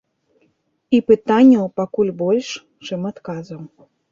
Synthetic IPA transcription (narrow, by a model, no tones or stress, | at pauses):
ipɨt̪anʲːɐwpakulʲbɔlʲʂ | t͡ʂɨmat̪kazɐw